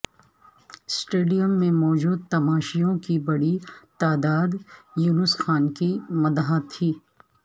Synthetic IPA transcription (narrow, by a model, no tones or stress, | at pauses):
sʈeːɖijəmːẽmɔːd͡ʒuːd̪̚t̪ɐmaːʃijõkibɐɽit̪aːd̪aːd̪juːnʊsxaːnkimɐd̪aɦãt̪ʰːiː